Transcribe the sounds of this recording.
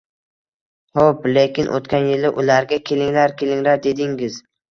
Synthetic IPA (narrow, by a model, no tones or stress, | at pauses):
hoplekʲɪnʔo̰t̪kʲanjɪlɪʔʊlaɾɡʲakʲʰe̞lɪŋlaɾkʲʰe̞lɪŋlaɾd̪e̞d̪ɪŋɪz